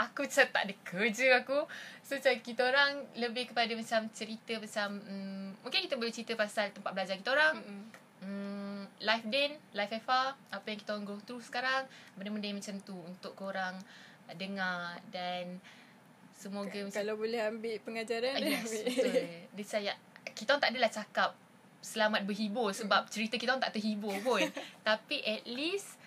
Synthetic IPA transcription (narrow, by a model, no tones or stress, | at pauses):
ʔakut͡ʃat̪a̰ʔdəkʰəd͡ʒəakusot͡ʃakit̪aoɾaŋləbɪhkəpadamat͡ʃamt͡ʃəɾit̪əmat͡ʃaməːũŋkɪnkit̪əbolɛht͡ʃəɾit̪əpasalt̪əmpat̪̚bəlad͡ʒakit̪aoɾaŋ | əlajfdɛnlajfafaapəjaŋkit̪aoɾaŋɡɾot̪ɾusə̥kaɾaŋbənaməndəŋmat͡ʃamt̪uunt̪ʊʔkoɾaŋ | dəŋadan | səmoɡamãkalabolɛhambɪʔpəŋad͡ʒaɾanjaɪʔdət͡ʃajaʔkit̪aɔŋt̪aʔadalaht͡ʃakap̚ | səlamat̪̚bəɦibʊrsəbap̚t͡ʃəɾit̪əkit̪aŋt̪a̰ʔt̪əɦibʊpʊnt̪apiʔɛt̪lis